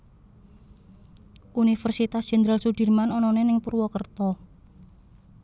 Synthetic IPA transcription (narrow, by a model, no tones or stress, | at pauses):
ʔunifərsit̪asd̥ʒ̥ɛnd̪ɾalsud̥i̤rmanɔnɔnenɪŋpurwɔkərt̪ɔ